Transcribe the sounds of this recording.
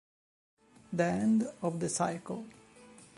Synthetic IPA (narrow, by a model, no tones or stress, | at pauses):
d̪iɛ̃ndɔvðəsaɪkəl̩ˠ